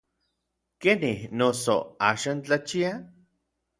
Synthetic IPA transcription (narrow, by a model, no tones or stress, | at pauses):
kenihnoso̰aːʃaːnt͡ɬat͡ʃia